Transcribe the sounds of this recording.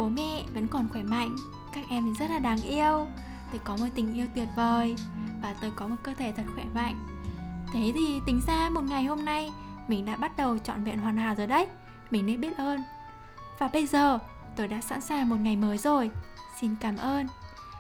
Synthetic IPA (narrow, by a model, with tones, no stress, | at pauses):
ɓo˨˦mɛ̰˧˥˨və̰˧˥nkɔ˨˩nxwɛ˧˩ma̰˧˨jŋ̟ | kaː˦˥k̚ʔɛ˧m˨˩zə˦˥t̚laː˨˩ɗaː˨˦ŋʔi˧əw | t̪ʰe˧˩jkɔ˨˦məː˨˧˩jt̪ï˨˩ŋ̟ʔi˧əwt̪wi˨˩ət̚vəː˨˩jvaː˨˩t̪o˧jkɔ˨˦mo˨˩kəː˧t̪ʰe˧˩t̪ʰə˨˩t̚xwɛ˧˩ma̰˧˨jŋ̟ | t̪ʰe˨˦t̪ʰi˨˩t̪ï˨˦ŋ̟zaː˧mo˨˩t̚ŋa˨˩jɦo˧mna˧jmï˨˩ŋ̟ɗa̰ː˧˥ɓa˦˥t̚ɗə˨˩wt͡ɕɔ̰˧˨nvḭ˧˨nɦwaː˨˩naː˨˩wzoː˨˩jɗə˨˦j | mï˨˩ŋ̟nḛ˧˥ɓi˦˥ət̚ʔəː˧n | vaː˨˩ɓə˧jzəː˨˩ | t̪o˧jɗa̰ː˧˥sa̰˧˥nsaː˨˩ŋmo˨˩t̚ŋa˨˩jməː˨˦jzo˨˩jsi˧nkaː˨˦mʔəː˧n